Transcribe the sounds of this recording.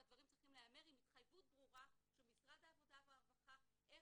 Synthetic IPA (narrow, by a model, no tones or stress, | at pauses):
ad̪vaʁimtt͡sʁiχimleame̞ʁimit̪χajvut̪̚bʁuʁaʃelmisʁad̪aːvo̞d̪aveapaχaʔe